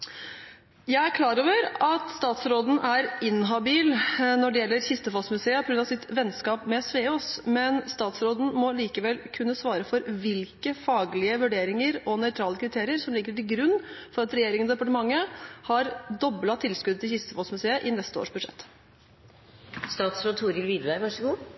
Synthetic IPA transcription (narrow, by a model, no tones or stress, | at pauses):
jæɪæɾkʰlɑːɾoːʋəɾɑt̪st̪ɑːt̪sɾoːd̪n̩æɾɪnɦɑbiːlnɔɖɛjɛlːəɾçɪst̪əfosmʉseːəpʰɔɡɾʉnɑsɪt̪ʋɛnskɑːpmɛsʋeːoːsmɛnst̪ɑːt̪sɾoːd̪n̩mɔliːkəʋɛlkʰʉnːəsʋɑːɾəfɔɾʋɪlkəfɑːɡlɪəʋʉɖeːɾɪŋəɾɔnœʏt̪ʰɾɑːləkʰɾɪt̪ʰeːɾɪəɾsɔmliːkəʈɪlɡɾʉnːfɔɾɑt̪ɾɛjeːɾɪŋənsd̪ɛpɑʈəmɑŋːəhɑɾd̪ɔblɑt̪ʰːɪlskʉd̪ət̪ɪlçɪst̪əfosmʉseːəʔɪnɛst̪əo̰ːʂbʉd̪ʂɛ̰t̪ː | st̪ɑːt̪sɾoːd̪tʰuːɾɪlʋiːd̪ʋæɪʋɑʂɡuː